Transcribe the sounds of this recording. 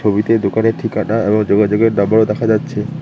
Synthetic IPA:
oβit̪ed̪okaneɾʈʰikaʈaeboŋd͡ʑoɡad͡ʑoɡeɾnambaɾod̪ɛkʰad͡ʑatːɕʰe

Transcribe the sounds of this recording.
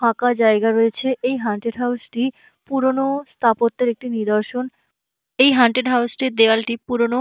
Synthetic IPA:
akad͡ʑaeɡaɾoet͡ɕʰeʔejɦaɳʈeɖɦawsʈi | puɾonost̪ʰapot̪ːeɾek̚ʈinid̪oɾʃon | ejɦaɳʈeɖɦawsʈid̪ewalʈipuɾono

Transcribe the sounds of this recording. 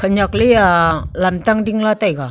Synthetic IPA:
kʰəɲaklialamtaŋdiŋlatajɡa

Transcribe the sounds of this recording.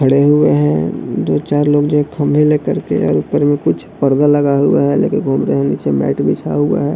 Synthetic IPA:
kʰəɽeɦʊeɦɛ̃d̪oːt͡ʃaːɾloːɡd͡ʒoɦɛkʰəmbʱileːkəɾkḛɔ̰ːɾʊpəɾmẽkʊt͡ʃʰpəɾd̪aləɡaɦṵa̰ɦɛlḛːkɪnɡʱuːmɾeɦɛ̃niːt͡ʃemɛ̰ːʈbʱit͡ʃʰa̰ɦʊa̰ɦɛː

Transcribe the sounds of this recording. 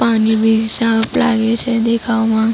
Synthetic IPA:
panibʱisapla̰ɡet͡ʃʰed̪ekʰaʋmã

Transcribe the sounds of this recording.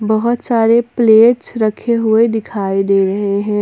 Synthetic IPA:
bɐɦʊt̪saːɾepleːʈsɾɐkʰeɦʊed̪ɪkʰaːid̪eːɾɐɦeɦɛ̃ː

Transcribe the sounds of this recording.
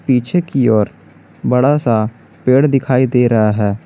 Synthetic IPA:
piːt͡ʃʰekiɔːɾ | bəɽasa | peːɽd̪ɪkʰaːid̪eːɾɐɦaɦɛː

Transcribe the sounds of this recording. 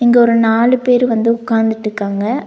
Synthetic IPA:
ɪŋɡɐɔɾɯnaːlɯpeːɾɯʋɐnd̪ɯʊkːaːnd̪ɪʈːɯkːaːŋɡɐ

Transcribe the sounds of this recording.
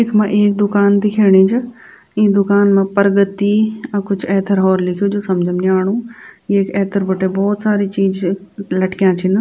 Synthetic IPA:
eːkmãʔeːk̚d̪ʊkaːnt̪ikʰeːɽ̃ĩːd͡ʒɐ | ĩːd̪ʊkaːnmãpəɾɡət̪ːiɐ̃kʊt͡ʃʰɛːt̪ʰəɾɦɔːɾlɪkʰijod͡ʒoːsɐmd͡ʒʱəmniaːɽ̃ũːjekɛːt̪ʰəɾbəʈebɔːt̪saːɾit͡ʃiːzlɐʈkjãːt͡ʃʰɪn

